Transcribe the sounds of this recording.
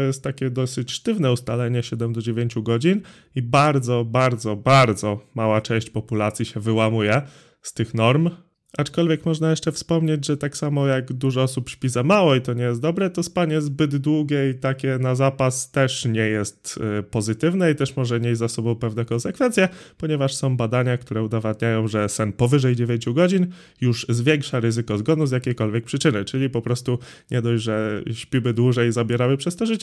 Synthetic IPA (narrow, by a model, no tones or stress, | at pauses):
tɔjɛst̪ːakʲɛd̪ɔsɘt͡ɕʂt̪ɘvnɛust̪alɛɲɛɕɛd̪ɛmd̪ɔd͡ʑevʲjeɲt͡ɕuɡɔd͡ʑin | ibaɾd̪zɔbaɾd̪zɔbaɾd̪zɔmawat͡ʂɛ̃w̃ɕt͡ɕpɔpulat̪sʲjiɕɛvɘwamujɛ | st̪ɘxnɔɾm | ʔat͡ʂkɔlvʲjɛkmɔʐnajɛʂt͡ʂɛfspɔmɲed͡ʑʐɛt̪aksamɔjaɡd̪uʐɔɔsupʂpʲizamawɔit̪ɔɲɛjɛst̪̚d̪ɔbɾɛt̪ɔspaɲɛzbɘd̪d̪wuɡʲɛit̪akʲɛnazapast̪ɛʂɲɛjɛst̪pɔzɘt̪ɘvnɛit̪ɛʂmɔʐɛɲezːasɔbɔ̃w̃pɛvnɛkɔnsɛkfɛnt̪sʲjɛpɔɲɛvaʂsɔ̃w̃bad̪aɲak̚t̪uɾɛud̪avad̪ɲajɔ̃w̃ʐɛsɛnpɔvɘʐɛjd͡ʑevʲjeɲt͡ɕuɡɔd͡ʑin | juʐzvʲjeŋkʂaɾɘzɘkɔzɡɔnuzjakʲejkɔlvʲjɛk̚pʂɘt͡ʂɘnɘt͡ʂɘlʲipɔpɾɔst̪u | ɲʔɛd̪ɔjʐɛɕpʲimɘd̪wuʐɛjzabʲjɛɾamɘpʂɛst̪ɔʐɘt͡ɕɛ